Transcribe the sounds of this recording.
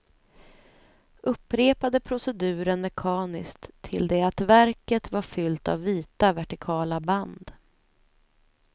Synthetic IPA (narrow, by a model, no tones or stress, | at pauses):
ɵpːɾeːpad̪əpʰɾʊsɛd̪ʉ̟ːɾənmɛkʰɑːnɪ̰skt̪ʰːɪ̰ld̪ɛat̪væɾkət̪vaɾfʏlt̪a̰vːiːt̪avæʈɪkʰɑːlaband̪